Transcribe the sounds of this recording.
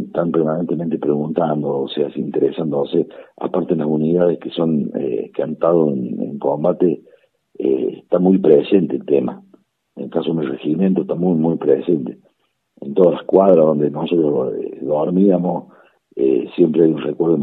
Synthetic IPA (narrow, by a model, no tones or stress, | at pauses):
eht̪ampeɾmanent̪ement̪epɾeɣunt̪and̪oːseasint̪eɾesand̪osea̰paɾt̪eelasuniðaðehkeso̞nḛkeant̪aðoenḛŋko̞mbat̪e | ḛht̪amujpɾesent̪eːlt̪ema̰ | ḛlkasomereximjent̪oeht̪amujmujpɾesent̪e | ḛnt̪o̞ð̞alahkwaðɾaðo̞nd̪enoso̞t̪ɾohḛðoɾmiamos | ḛsje̞mpɾeajunrekweɾðo